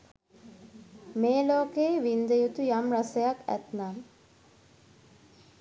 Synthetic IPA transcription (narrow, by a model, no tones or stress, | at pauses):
meːloːkeːʋind̪əjut̪ujamrasejakæ̰t̪nam